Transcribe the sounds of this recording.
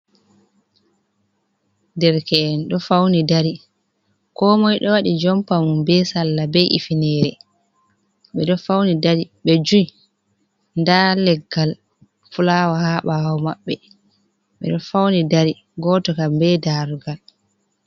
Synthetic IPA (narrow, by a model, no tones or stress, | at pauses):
dɛɾkɛːnɗɔfawnidaɾi | kɔːmɔjɗɔwaɗid͡ʒɔmpamumbɛsalːabɛjʔḭfinɛːɾɛ | ɓɛɗɔfawnidaɾiɓɛd͡ʒuj | ndalɛɡːal | fulawahaɓawɔmaɓːɛ | ɓɛ̰ɗɔfawnidaɾi | ɡɔːtɔkambɛdaɾɡal